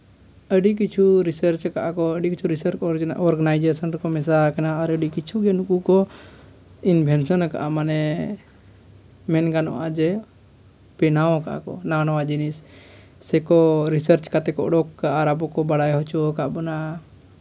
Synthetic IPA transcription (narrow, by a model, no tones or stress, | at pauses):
əɖik̬it͡ʃʰuɾisəɾt͡ʃkaʔakɔəɖikit͡ʃʰuɾisəɾɔɾɡanajd͡ʒesɔnɾɛkɔmɛsakanaːɾəɖikit͡ʃʰuɡɛnukukɔ | inbʱɛnsɔnaka̰ʔamanɛ | mɛnɡanɔ̰ʔad͡ʒɛ | pɛnaɔ̃kaʔa̰kɔ̰nawnawad͡ʒinisː | ɛkɔɾisəɾt͡ʃkat̪ɛkɔ̰ʔɖɔkːaʔaɾabɔkɔbaɽajɦɔt͡ʃɔkaʔbɔna